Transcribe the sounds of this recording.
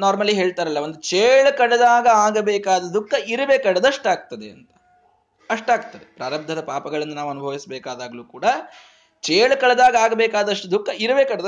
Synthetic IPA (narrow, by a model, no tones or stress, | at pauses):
naːɾmɐlːiɦe̞ːɭt̪aːɾɐlːɐʋond̪ut͡ʃeːɭkɐɽɐd̪aːɡɐaːɡɐbeːkaːd̪ɐd̪ʱukʰːɐiɾɐʋeːkɐɽɐd̪ɐʂʈaːɡ̚t̪ɐd̪eɐ̰nt̪ɐ̥ | ɐʂʈaːɡ̚t̪ɐd̪epɾaːɾɐb̚d̪ʱɐd̪ɐpaːpɐɡɐɭɐnːɐnaːʋuɐnubʱɐʋisbɛːkaːd̪aːɡɐluːkuːɽɐ | t͡ʃeːɭkɐɭɐd̪aːɡɐaːɡɐbeːkaːd̪ɐʂʈud̪ʱukːɐiɾɐʋeːkɐɽɐd̪ɐ